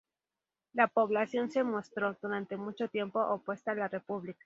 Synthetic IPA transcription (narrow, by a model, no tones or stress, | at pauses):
lapo̞βlasjo̞nse̞mo̞st̪ɾo̞ð̥uɾant̪e̞mut͡ʃo̞t̪je̞mpo̞ʔopwe̞st̪aːlare̞puβlikḁ